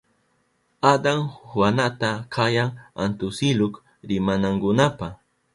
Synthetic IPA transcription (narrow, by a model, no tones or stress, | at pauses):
ad̪aŋhwanat̪akʰajaŋa̰nt̪ʊsɪlʊk | ɾɪmanaŋɡʊnapa